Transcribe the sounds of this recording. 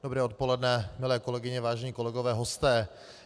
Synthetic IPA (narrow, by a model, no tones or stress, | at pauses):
d̥obɾɛːot̪̚polɛdnɛmɪlɛːko̞lɛɡɪɲɛvaːʒɛɲiːkolɛɡovɛːɦost̪ɛː